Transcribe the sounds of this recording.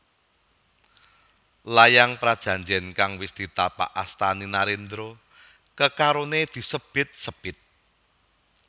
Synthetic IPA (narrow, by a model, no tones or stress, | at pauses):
lajaŋpɾad̥ʒ̥ä̤ɲd͡ʒɛnkaŋwɪsd̪̥i̤t̪apa̰ʔast̪aninaɾɪnd̪ɾo | kəkaɾoned̪̥i̤səb̥ɪ̤t̪̚səb̥ɪt̪̚